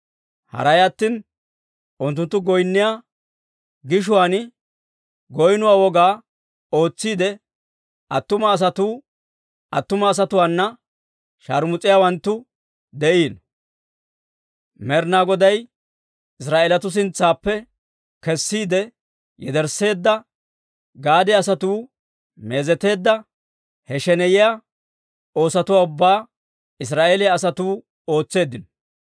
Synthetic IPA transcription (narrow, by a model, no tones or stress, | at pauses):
hɐ̰ɾɐjɐt̪ːiːn | ʔʊnt̪ːʊnt̪ːʊɡɔjnːɪjaː | ɡɪʃ̬ʊwaːnɪ | ɡɔjnʊwaːwɔɡaː | o̞ːt͡sːiːd̪ɛ | ʔɐt̪ːʊmɐːs̬ɐt̪uː | ʔɐt̪ːʊmɐːs̬ɐt̪ʊwaːnːɐ | ʃɐɾmʊt͡sʼːɪjaːwɐnt̪ːʊ | d̪ɛʔiːn | mɛɾnaːɡɔd̪ɐj | ɪs̬ɾaːʔelɐt̪ʊs̬ɪnt͡sːaːpːɛ | kɛsːiːd̪ɛ | jɛ̰d̪ɛɾsːe̞ːd̪ːɐ | ɡaːd̪ɛɐs̬ɐt̪uː | me̞ːzɛt̪e̞ːd̪ːɐ | hɛʃɛnɛjɪja | o̞ːsɐt̪ʊwaːʊbːaː | ɪs̬ɾaːʔeːlɛɐsɐt̪uː | o̞ːt͡sːe̞ːd̪ːɪnɔ̥